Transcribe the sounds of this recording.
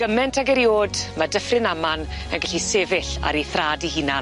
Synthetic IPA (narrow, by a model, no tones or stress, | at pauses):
ɡ̥əmɛntʰaɡɛɾjoːdmadəfrɪnamanənɡɛɬisevɪɬa̰ɾiθraːdihɨna